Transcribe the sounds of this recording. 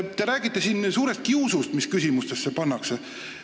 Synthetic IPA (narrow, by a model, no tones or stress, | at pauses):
t̪e̞ɾæːɡ̥it̪ːˑesinsuːɾe̞st̪̚kiusust̪miskysʲimust̪e̞sːe̞pɑnːɑkse